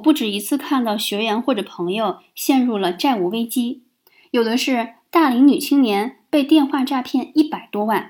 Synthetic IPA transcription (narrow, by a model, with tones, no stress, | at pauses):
pu˥˩ʈ͡ʂɻ̩˨˩i˧˥t͡sʰɹ̩˥˧kʰa˥˧nt̪ɑ˥˩ʊɕɥɛ˧˥ɥɛ˧˥nxwɔ˥˩ʈ͡ʂɤ˨˩pʰɤ˧˥ŋjo˧ʊ | ɕjɛ˥˧nɻu˥˩lə˩ʈ͡ʂa˥˩ɪu˨˥˩we˥ɪt͡ɕi˥ | jo˨˩ʊd̪ə˧˦ʂɻ̩˥˧t̪a˥˩li˧˥ŋny˨˩t͡ɕʰi˥ŋnjɛ˧˥npe˥˧ɪt̪jɛ˥˧nxwa˥˧ʈ͡ʂa˥˧pʰjɛ˥˩˧ni˥˩pa˨˩ɪt̪wɔ˥wa˥˩n